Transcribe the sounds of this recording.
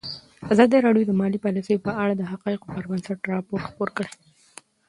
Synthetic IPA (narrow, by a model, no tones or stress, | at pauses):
azɑd̪əɾɑɽjod̪əmɑlipɑlisəjopəaɽad̪əɦaqɑɪqopəɾbansaʈɾɑpoɾʈxpoɾkəɽe